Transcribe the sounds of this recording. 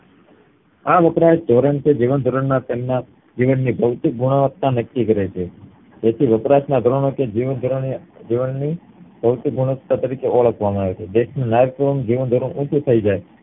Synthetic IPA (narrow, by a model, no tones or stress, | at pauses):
aʋəpɾajʃd̪ʱoɾəɳt͡ʃʰed͡ʒiʋənd̪ʱoɾəɳnat̪emna | d͡ʒiʋənːibʱəʋt̪ik̚ɡʱuɽ̃aʋət̪ːanəkːikəɾet͡ʃʰe | d͡ʒ̪et̪ʰiʋəpɾaʃnad̪ʱɾoɳoked͡ʒiʋənd̪ʱoɾd͡ʒiʋənːi | b̥ʱəʋt̪ɪk̚ɡʱuɽ̃əʋət̪ːat̪əɾikeʔoɭəkʰʋamãaːʋet͡ʃʰed̪eʃnũnajʋkəɾond͡ʒiʋənd̪ʱoɾəɳʔũt͡ʃʰut̪ʰəid͡ʒaj